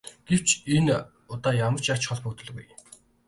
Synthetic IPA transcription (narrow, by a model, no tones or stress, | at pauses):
ɡ̥ew̥t͡ɕen | ʊt̪aːjamə̆r̥t͡ɕḁt͡ɕχɔ̆ɮpʊt̪ɵ̆ɮɣuj